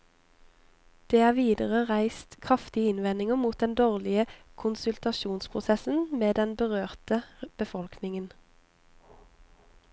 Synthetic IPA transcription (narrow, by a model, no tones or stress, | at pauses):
d̪̥eːæːʁʋiːd̪əʁəʁæɪst̪kʰʁɑft̪ɪəɪnʋɛnɪŋəmuːt̪̚d̪ɛnd̪oːʁlɪəkʰʊnsʉlt̪ɑʃuːnspʰʁʊsɛsn̩meːd̪ɛnbəʁøːʁt̪əb̥əfɔlkʰnɪŋən